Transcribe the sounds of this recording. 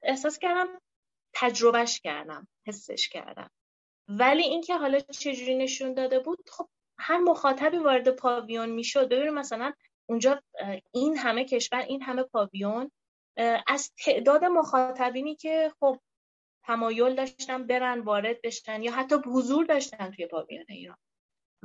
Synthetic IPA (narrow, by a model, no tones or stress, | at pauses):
e̞hsɒːscæɾd̪æm | t̪ʰæd͡ʒɾo̞bæʃcʰæ̰ɾd̪æ̰mhe̞sːḛʃcʰæ̰ɾd̪æ̰m | væliːincʰe̞ɦɒːlɒːt͡ʃʰe̞d͡ʒuːɾiːne̞ʃund̪ɒːd̪e̞buːd̪̥χo̞b̥̚ | hæɾmoxɒːt̪ʰæbiːvɒːɾe̞d̪e̞pʰɒvijonmiːʃo̞d̪̚be̞binimæsælæn | und͡ʒɒːinɦæme̞cʰe̞ʃvæɾʔinɦæme̞pʰɒːvijon | ʔæzt̪ʰe̞ʔd̪ɒːd̪e̞moxɒːt̪ʰæbiːniːcʰe̞χob̥̚ | t̪ʰæmɒːjo̞ld̪ɒːʃt̪ænbe̞ɾænd̪vɒːɾe̞d̪̚be̞ʃt̪ænjɒːɦæt̪ʰːɒːbhuzuɾd̪ɒʃt̪ænt̪ʰuje̞pʰɒ̰ːvḭjonḛḭːɾɒ̰n